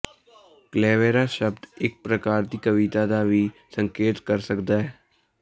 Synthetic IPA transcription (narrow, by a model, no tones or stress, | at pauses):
klɛːʋeːɾaʃəbd̪ɪk̚pɾəkaːɾd̪ikəʋit̪ad̪abʱisə̃ŋkeːt̪kəɾsəkd̪aɦɛː